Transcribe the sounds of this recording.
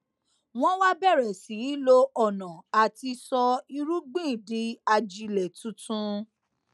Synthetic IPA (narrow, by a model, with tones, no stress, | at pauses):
w̃ɔ̃˦wa˦bɛ˦˨ɾɛ˨si˨˦lo˧ʔɔ˦˨nɔ̃˨a˨ti˧sɔ˧i˧ɾu˦ɡ͡bĩ˦˨di˨˦a˧d͡ʒi˧lɛ˨tũ˧˦tũ˦